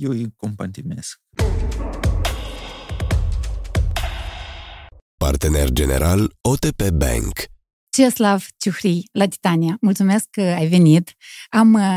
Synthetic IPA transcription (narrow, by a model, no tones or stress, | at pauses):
jewikompant̪imesk | pa̰rt̪enḛrd͡ʒe̞ne̞̰ɾʔalot̪epebɛ̰ŋk | t͡ʃeslavt͡ʃuxɾijlat̪i̥t̪aniamult̪sume̞skːəajve̞nit̪am